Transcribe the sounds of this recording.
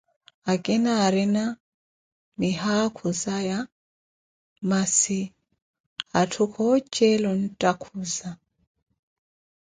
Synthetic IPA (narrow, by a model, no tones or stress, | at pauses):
akʼɛnaɾina | miɦakʰuzaja | masi | atʰukʰɔt͡ʃʼɛlɔn̩tʼakʰuza